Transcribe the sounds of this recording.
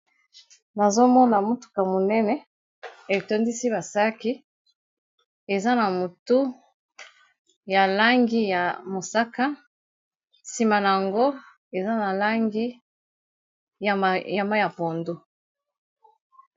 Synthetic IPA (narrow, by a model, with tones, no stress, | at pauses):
na˨zo˦mɔ˦na˨mu˦tu̥˨ka˨mo˨nɛ˦nɛ˦ | e˨to˦ndi˦si˦ba˨sa˦ki˦ | e˨za˦na˨mo˨tu˦ | ja˨la˦ŋɡi˦ja˨mo˨sa˦ka˦ | si˨ma˨na˨ja˨ŋɡo˦ | e˨za˦na˨la˦ŋɡi˦˨ | ja˨ma˦ja˨po˨ndu˦